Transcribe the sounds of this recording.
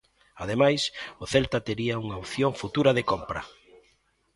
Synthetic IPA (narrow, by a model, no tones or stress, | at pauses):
aðemajsʊθɛlt̪ɐt̪eɾiɐuŋaoθjoŋfut̪uɾɐðekompɾɐ̰